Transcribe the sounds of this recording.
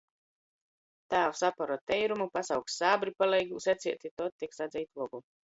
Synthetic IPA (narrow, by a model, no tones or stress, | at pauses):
t̪aːwsapaɾɔt̪ːɛjɾumupasawkssaːbɾipalɛjɡusɛt̪siɛt̪ʲit̪ɔt̪ːiksad̪zʲɛjt̪lɔɡu